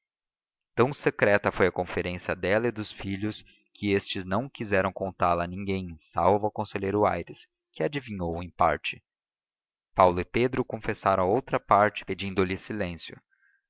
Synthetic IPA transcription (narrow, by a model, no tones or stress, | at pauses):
t̪ɐ̃w̃sekɾɛt̪ɐfojɐkõfeɾẽsiɐd̪ɛlɐɪd̪ʊsfiʎʊs | kʰɪest͡ʃɪznɐ̃w̃kizɛɾɐ̃w̃kõnt̪aɾlɐnĩŋɡẽj̃sa̰wvʊawkõseʎejɾʊa̰jɾɪs | kɪad͡ʒivĩɲowẽj̃pa̰ɾt͡ʃɪ̥ | pawlʊɪped̪ɾʊkõfesaɾɐ̃w̃ɐowt̪ɾɐpaɾt͡ʃɪ̥ped͡ʒĩnd̪ʊlɪsilẽsjʊ